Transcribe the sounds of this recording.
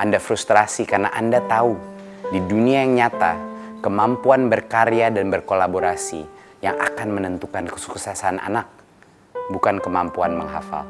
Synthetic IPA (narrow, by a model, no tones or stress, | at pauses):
ʔandafɾust̪ɾasikarnaʔandat̪au | diduniajaŋɲat̪akəmampuanbərkaɾeadanbərkolaboɾasḭ | jaŋa̰kanmənənt̪ukankəsu̥ksasana̰nak̚ | bukankəmampuanməŋɦa̰fa̰l